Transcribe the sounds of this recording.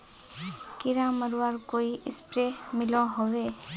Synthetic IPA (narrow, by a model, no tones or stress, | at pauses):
kɪɾaməɾʋaɾkoːiɪspɾemɪlõɦoʋeː